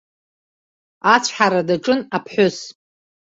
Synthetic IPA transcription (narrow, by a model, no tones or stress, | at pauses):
at͡sʷʰħaɾadaʈ͡ʂʼɨnapʰħʷʊs